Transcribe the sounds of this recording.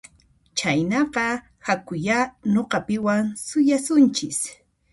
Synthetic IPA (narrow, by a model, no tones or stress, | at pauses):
t͡ʃajnɑqɑ | hakʊjanoqɑpɪwaŋsʊjasʊnt͡ʃɪs